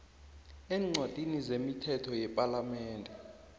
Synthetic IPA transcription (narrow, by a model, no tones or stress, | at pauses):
eːŋ͡ǀʱotʼinizemitʰɛtʰɔjɛpʼalamɛːndʱɛ